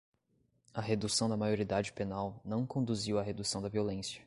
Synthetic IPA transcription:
ɐɦed̪usɐ̃w̃d̪ɐmajoɾid̪ad͡ʒɪpenawnɐ̃w̃kõnd̪uziwɐɦed̪usɐ̃w̃d̪ɐviolẽsjɐ̥

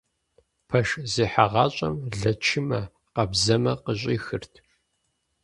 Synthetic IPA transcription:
pʰɐʃziːħaʁɑːɕʼɐmɮɐt͡ʃʰɪmɐ | qɐbzɐmɐqəɕ̬ʷʼiːxɨrtʰ

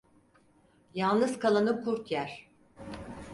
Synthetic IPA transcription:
jalˠnɯzkʰalˠanɯkʰuɾt̪jæɾ̥

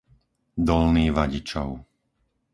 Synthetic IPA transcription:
d̪ɔlniːʋaɟit͡ʃɔʊ

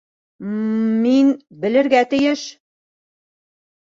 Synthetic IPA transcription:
minbɘ̆lɘ̆ɾɡæt̪ɘ̆jɘʃ

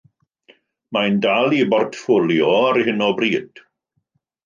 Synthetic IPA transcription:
mandalˠibɔrtʰfʊlˠjɔaɾhɪnɔbriːd̥

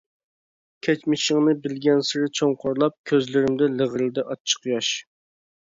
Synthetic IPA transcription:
kʲʰɛt͡ʃmɪʃɪŋnɨbɪlɡʲɛnsɪɾɪt͡ʃʰoŋqʰoɾlˠɑp̚kʲʰøzlɪɾɪmd̪ɛləʁəlɪd̪ɛʔɑt͡ʃːʰə̥qjɑʃ

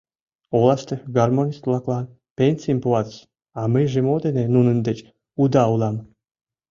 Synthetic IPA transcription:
olˠɑst̪eɡarmonʲist̪vlˠɑklˠɑn | penʲsʲiəmpuɑt̪s | ɑmɨʒemod̪enenunənd̪et͡ɕ | ud̪ɑulˠɑm

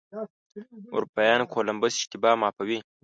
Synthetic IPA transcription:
ṵɾpajɑːnkʰoːlɐmbɐsʃt̪ibaːmaːpɐwi

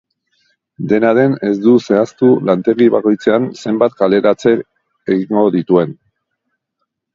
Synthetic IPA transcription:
d̪e̞naðe̞ne̞zd̪use̞ast̪ulant̪e̞ɣiβako̞jt͡se̞anse̞mbat̪kale̞ɾat͡se̞ | eɣiŋɡo̞ðit̪ue̞n

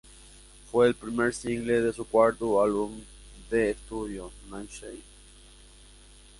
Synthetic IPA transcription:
fweːlpɾimeɾsiŋɡleðesukwaɾt̪ualβum | d̪eːst̪uðjonãnʃej

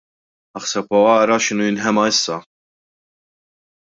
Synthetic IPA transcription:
ɐħsɛpɔɐʔɾɐʃɪnuːjɪnħɛmɐɪsːɐ

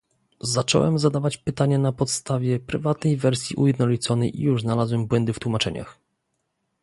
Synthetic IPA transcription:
zat͡ʂɔ̰wɛ̰mzad̪avat͡ɕpɘt̪aɲɛnapɔt̪st̪avʲjɛpɾɘvat̪nɛjvɛɾsʲjiʔṵjɛd̪nɔlʲit̪sɔnɛjʔḭjuʐznalazwɛmbwɛnd̪ɘft̪wumat͡ʂɛɲa̰x

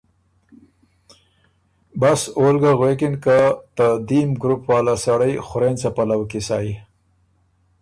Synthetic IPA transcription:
basolɡaɣwekɪnkat̪ad̪imɡɾupwɑːlasaɽəjxʊɾent͡sapalawkisɑi

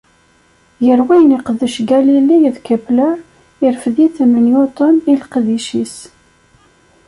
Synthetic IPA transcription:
jəɾwæjəniqəðːəʃɡælilːijəðkəblə | ɪɾfðiθəmənjot̪ˤonilqðiʃis

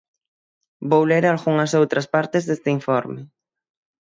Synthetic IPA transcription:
bowleɾalɣuŋɐsowt̪ɾɐspaɾt̪ɪzðest̪ɪiɱfɔɾmɪ

